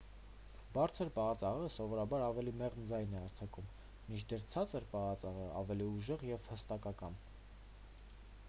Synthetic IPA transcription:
bɑɾt͡sʰəɾpɑʁɑt͡sɑʁəsɔvɔɾɑbɑɾɑvɛlimɛʁnd͡zɑjnɛɑɾt͡sʰɑkum | mint͡ʃʰd̪ɛɾt͡sʰɑt͡səɾpɑʁɑt͡sɑʁəɑ̰vɛliuʒɛʁjɛvhəst̪ɑkɑkɑn

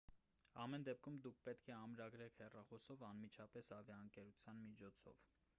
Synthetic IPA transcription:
ɑmɛnd̪ɛp̚kʰumd̪ukʰpɛt̪kʰɛɑmɾɑɡɾɛkʰhɛrɑχɔsɔvɑnmit͡ʃʰɑpɛsɑvjɑəŋkɛɾut͡sʰjɑnmit͡ʃʰɔt͡sʰɔ̰v

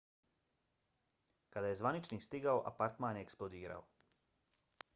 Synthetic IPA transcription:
kad̪ajezʋanit͡ʃniːst̪iɡaoʔa̰paɾt̪maːnjeksplod̪iːɾa̰o

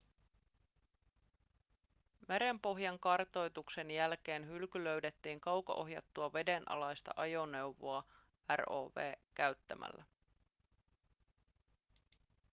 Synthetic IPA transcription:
meɾe̞mpo̞ɦjɑŋkɑrt̪o̞jt̪ukse̞njælk̟e̞ːnɦylkylø̞ɥde̞t̪ːiːŋkɑwkɑ̰ʔo̞ɦjɑ̰t̪ːuɑʋe̞de̞nʔɑ̰lɑjst̪ɑ̰ʔɑjo̞nːe̞wʋoɑ | æro̰ːʋe̞̰ːkæɥt̪ːæmʔæ̰lːæ

